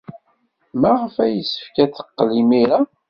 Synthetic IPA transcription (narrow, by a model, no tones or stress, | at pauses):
mæʁəfæjəsːə̥fkæθə̥qːlimiɾa